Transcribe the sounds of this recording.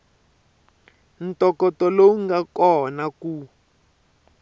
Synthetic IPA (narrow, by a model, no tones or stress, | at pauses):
ntɔkɔtɔlowuŋɡakɔnaku